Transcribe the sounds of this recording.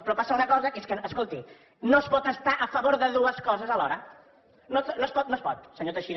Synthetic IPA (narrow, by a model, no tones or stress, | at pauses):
pɾɔpasəunəkɔzəeskəəskolˠt̪i | nospɔt̪əst̪aʔəfəβoɾðəðuəskɔzəzəlɔɾə | nonospɔt̪̚noəspɔt̪səɲot̪əʃiɾ